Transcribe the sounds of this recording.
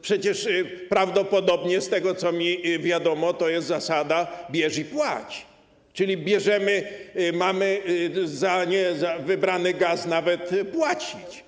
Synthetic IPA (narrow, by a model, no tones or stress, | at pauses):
pʂɛt͡ɕɛʂpɾavd̪ɔpɔd̪ɔbɲɛst̪ɛɡɔt̪sɔmʲivʲjad̪ɔmɔt̪ɔjɛst̪zasad̪abʲjɛʐipwa̰t͡ɕ | t͡ʂɘlʲibʲjɛʐɛmɘmamɘzaɲɛzavɘbɾanɘɡasnavɛt̪pwat͡ɕit͡ɕ